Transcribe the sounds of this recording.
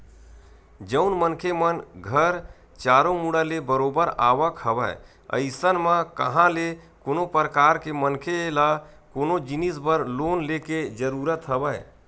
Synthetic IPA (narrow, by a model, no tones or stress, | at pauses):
d͡ʒəʊnmənkʰemənɡʱəɾ | t͡ʃaːɾomuɽəlebəɾobəɾa̰ːʋəkhəʋəj | ə̰ɪsənmə̃kəɦãlekonopəɾəkaːɾkemənkʰela | koːnod͡ʒinisbəɾloːnleked͡ʒəɾuɾət̪ɦəbəj